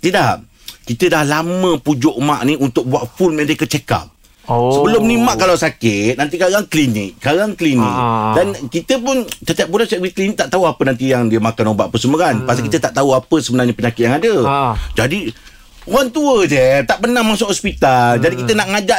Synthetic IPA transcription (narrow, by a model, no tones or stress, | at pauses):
t̪idaʔ | kit̪ədahlamə̃pud͡ʒʊʔma̰ʔniunt̪ʊk̚buaʔfulmadekət͡ʃeka̰p̚ | səbəlʊmnimaʔkalawsakɪt̪̚nant̪ikaɾaŋklinɪk̚kaɾaŋkəlinɪ̰k̚dankit̪əpʊnt̪ət̪iaʔ̚bulasaʔɡwiklinɪk̚t̪aʔt̪auapənant̪ijaŋdiəmakanobaʔpəsəmukanpasakit̪ət̪aʔt̪auapəsəbənarɲapəɲakɪt̪̚jaŋadəd͡ʒadi | oɾaŋt̪uədət̪aʔpənãŋmasʊʔhɔspit̪ald͡ʒadikit̪ənaʔŋad͡ʒaʔ